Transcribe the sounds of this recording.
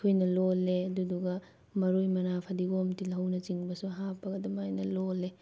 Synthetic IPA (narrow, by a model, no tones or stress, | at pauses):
kʰojnɐlolːeɐduduɡɐ | mɐɾojmɐnapʰɐdiɡomtilɦɐwnɐt͡ʃiŋbɐsuɦapːɐɡɐdɐmajnɐlolːe